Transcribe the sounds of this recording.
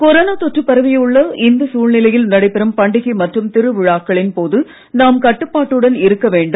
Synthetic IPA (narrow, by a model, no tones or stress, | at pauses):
kɔɾɐːnɐt̪ɔʈrɯpːɐɾɐʋɪjɐɯɭːɐɪnd̪ɐsuːɻnɪlɐjɪlnɐɽɐɪpːɪɾɐmpɐɳɖɪɣɐmɐʈrɯmt̪ɪɾɯʋɪɻaːkːɐɭɪnpoːðɯ | naːmkɐʈːɯpːaːʈːɯɽɐnɪɾɯkːɐʋeːɳɖɯ